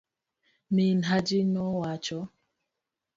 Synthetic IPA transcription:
minɦad͡ʒinɔwat͡ʃɔ

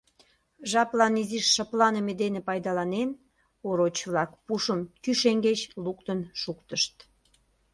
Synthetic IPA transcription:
ʒɑplɑniziʃːəplɑnəmed̪enepɑjd̪ɑlɑnen | oɾot͡ɕβlɑkpuʃəmkyʃeŋɡet͡ɕlukt̪ənʃukt̪əʃt̪

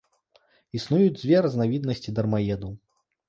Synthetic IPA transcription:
isnujud͡zʲd͡zʲvʲɛɾɐznavʲid̪nɐsʲt͡sʲid̪ɐrmajɛd̪uw

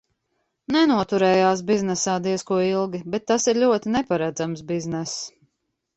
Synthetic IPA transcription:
nɛnuɔt̪uɾɛːjaːsbiznɛsaːd̪iɛskuɔilˠɡʲibɛt̪ːasiɾʎʲuɔt̪inɛpaɾad̪zamsbiznɛs

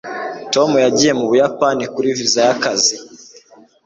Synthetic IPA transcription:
tɔmujaɟiɛmuβujapanikuɾivizajakazi

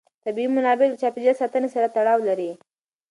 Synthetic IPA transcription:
t̪abiimʊnɑbelət͡ʃɑpid͡ʒəsɑt̪ənesaɾat̪aɽɑwlaɾi

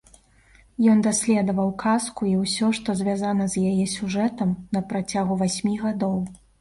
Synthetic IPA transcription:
jɔnd̪asʲlʲɛd̪ɐvɐwkʰaskuiwsʲɔʂt̪ɔzʲvʲazanɐzʲjajɛsʲuʐɛt̪ɐmnɐpɾat͡sʲaɣuvasʲmʲiɣad̪ɔw

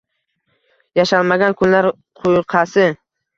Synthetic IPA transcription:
jaʃalˠmaɡʲankʰʊnlaɾ | qʰʊjqʰɑsɪ

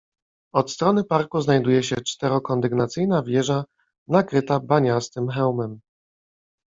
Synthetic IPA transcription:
ɔt̪st̪ɾɔnɘpaɾkuznajd̪ujɛɕɛt͡ʂt̪ɛɾɔkɔnd̪ɘɡnat̪sɘjnavʲjɛʐa | nakɾɘt̪abaɲast̪ɘmxɛwmɛm

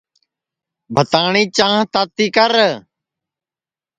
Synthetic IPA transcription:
bʱət̪aːɳiːt͡ʃãːɦt̪aːt̪iːkəɾ

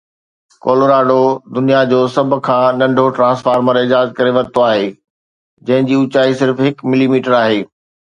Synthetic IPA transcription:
koːloɾaːɖod̪ʊnijad͡ʑoːsɐbʱʊ̆kʰãːnɐ̃ɳɖʱoʈɾãːsfaːɾməɾɪd͡ʑaːzkɐɾeʋɐɾ̚t̪oaːɦeː | d͡ʑɐ̃ɦɪ̃ɲd͡ʑiːʊt͡ɕaːisɪɾfɦɪkmɪlimiːʈəɾaːɦeː

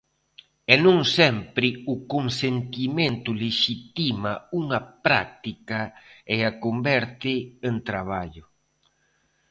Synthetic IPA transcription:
ɛnũŋsɛmpɾɪukoŋsent̪imẽnt̪ʊleʃit̪imauŋɐpɾa̰k̚t̪ikaɛakombɛɾt̪ɪent̪ɾaβ̞aʎʊ

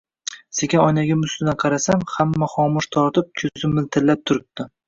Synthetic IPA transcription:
sekʲʰaɒjnaɡʲamʊsɪd̪anqʰɑɾasamhamːaχɒmʊʃt̪ʰɒɾt̪ɪp̚kʲʰɵzɪmɪlt̪ʰɪɾlːap̚t̪ʰʊɾɪp̚t̪ɪ

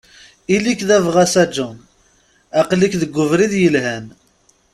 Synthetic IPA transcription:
ilikðævʁæsæd͡ʒːun | æqlikðəɡʷːʊvɾiðjəlɦæn

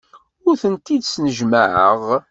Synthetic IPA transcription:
ʊɾθənt̪id̪snəʒməʕə̰ʁ

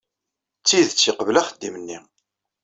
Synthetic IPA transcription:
t͡sːiðt͡sːiqəvlæχəd̪ːimənːi

